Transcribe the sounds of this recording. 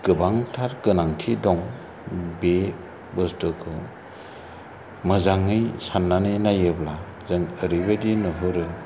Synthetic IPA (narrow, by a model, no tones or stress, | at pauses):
ɡ̥ɯbaŋtʰaɾkɯnaŋtʰidɔŋ | be | bɯstɯkʰɯ | mɯzaŋɯjsanːanɯnajɯbla | zɯŋɯɾibɯdinɯɦɯɾɯ